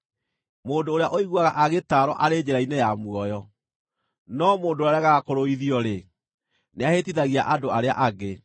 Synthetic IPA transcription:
moːndoːɾeaʔoiɣwaɣaʔaɣetaɾɔʔaɾed͡ʑeɾainejamwɔjɔ | nɔmoːndoaɛaɣaɣakoɾoiðiɔɾe | neahetiðaɣiaʔadoaɾea̰ʔaɡe

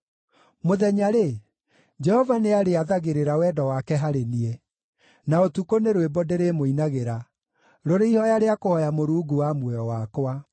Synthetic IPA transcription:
moðɛɲaɾe | d͡ʒɛhɔvaneaɾeaðaɣeɾeɾawɛdɔwakɛɦaɾeniɛ | naotukoneɾwebɔdeɾemoinaɣeɾa | ɾoɾeihɔjaɾeakohɔjamoɾuːɡuwamwɛjɔwakwa

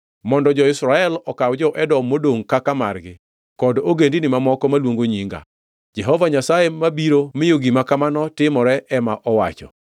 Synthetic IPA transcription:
mɔndɔd͡ʒɔɪsɾaɛlɔkawd͡ʒɔʔɛdɔmːodoŋkakamarɡɪ | kɔdoɡendinɪmamɔkɔmalwoŋɡoɲiŋɡa̰ | d͡ʒɛɦɔvaɲasajemabiɾomɪjoɡimakamanɔtɪmɔɾɛʔɛmaʔɔwat͡ʃɔ̰

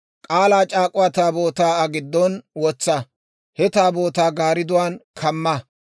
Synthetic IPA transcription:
kʼaːlaːt͡ʃʼaːkʼʊwaːt̪aːbo̞ːt̪aːɐɡɪd̪ːɔnwɔt͡sːɐ | hɛt̪aːbo̞ːt̪aːɡaːɾɪd̪ʊwaːnkʰɐmːɐ

